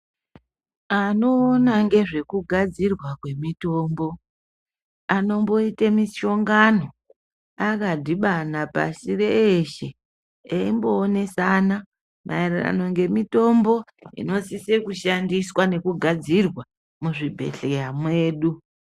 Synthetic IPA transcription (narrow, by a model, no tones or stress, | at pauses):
ano̞ːnaŋɡe̞ʐe̞kuɡʱad͡zirwakwe̞mito̞ːmbo̞ | ano̞mbo̞itamiʃo̞ŋɡano̞ | akadʱiɓanapa̰sire̞ːʃe̞ | eimboːne̞sana | mʔa̰irira̰no̞ŋɡe̞mito̞mbo̞ḭno̞sisekuʃandiswane̞kuɡʱad͡zirwa | muʐibʱe̞̰ɬejamwe̞ːɗu